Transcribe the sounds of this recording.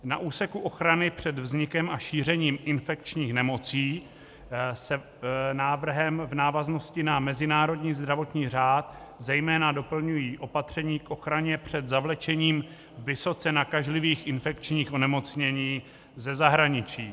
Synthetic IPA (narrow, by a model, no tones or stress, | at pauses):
naʔuːsɛkuʔo̞xɾanɪpr̝̥ɛd̪vzɲɪkɛmaʃiːr̝ɛɲiːmʔɪnfɛk̚t͡ʃɲiːxnɛmo̞t͡siː | sɛ | naːvr̩ɦɛmvnaːvazno̞scɪnamɛzɪnaːɾo̞dɲiːzd̪ɾavo̞t̪ɲiːr̝aːt̪ | zɛjmɛːnado̞pl̩ɲujiːʔo̞pat̪r̝̥ɛɲiːkʔo̞xɾaɲɛpr̝̥ɛd̪zavlɛt͡ʃɛɲiːm | vɪso̞t͡sɛnakaʒlɪviːxʔɪnfɛkt͡ʃɲiːxʔo̞nɛmo̞t͡sɲɛɲiː | zɛzaɦɾaɲɪt͡ʃiː